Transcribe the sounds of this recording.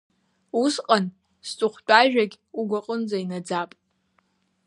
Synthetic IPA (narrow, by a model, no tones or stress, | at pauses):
usqʼan | st͡sʼʊχʷt͡pʷʼaʒᶣaɡʲ | uɡʷaqʼənd͡zainad͡zapʼ